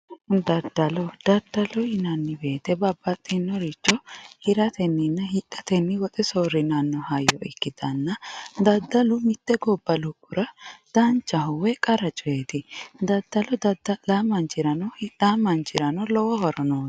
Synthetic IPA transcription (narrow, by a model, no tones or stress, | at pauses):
d̪ɐd̪ɐlɔd̪̥ɐd̪ːɐlɔɪnɐnːɪbe̞ːt̪ɛbɐbːɐt̪ʼːɛnːɔɾit͡ʃːɔhɪɾɐt̪ɛnːɪnːɐhɪʔɐt̪ɛnːɪwɔt̪ʼɛsɔɾɪnɐnːɔhɐjːɔ̰ʔɪkːɪd̪ɐnːɐd̪ɐd̪ːɐlʊmɪt̪ːɛɡɔbːɐlʊkːʊɾɐd̪̥ɐnt͡ʃːɐɦʊwɛkʼɐɾɐt͡ʃʼɔjeːt̪ɪd̪ɐd̪ːɐlɔd̪ɐd̪ɐlamɐnt͡ʃɪɾɐnɔhᶑamɐnt͡ʃɪɾɐnɔlɔwɔhɔɾɔnoː